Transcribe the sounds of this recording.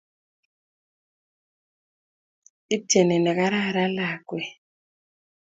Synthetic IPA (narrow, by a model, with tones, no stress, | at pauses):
i˦tɛ˨nɛ˨nɛ˨ka˦ɾa˦˨ɾa˦la˨kwɛ˨